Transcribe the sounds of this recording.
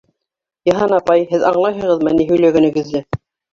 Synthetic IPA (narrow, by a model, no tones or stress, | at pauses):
jɤ̆ɦɑnɑpɑjhɘðɑɴlˠɑjɦɤ̆ʁɤðmæniɦɵ̆jlæɡæ̆nɘ̆ɡɘ̆zlɘ